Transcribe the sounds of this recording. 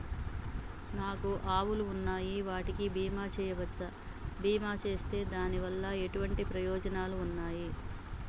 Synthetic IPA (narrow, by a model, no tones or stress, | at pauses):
naːkuʔaːwuluːnːaːjiʋaːʈikibiːmaːt͡ʃɛːjɐʋɐɐ | biːmaːt͡ʃe̞ːst̪e̞ːd̪aːniʋɐlːɐe̞ʈuʋɐɳʈipɾɐjɔːd͡ʒɐnaːluːnːaːji